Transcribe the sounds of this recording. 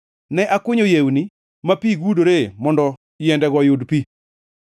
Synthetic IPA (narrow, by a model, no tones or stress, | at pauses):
nɛʔakʊɲojewni | mapiɡudoɾemɔndɔ | jɛndɛɡɔjodpi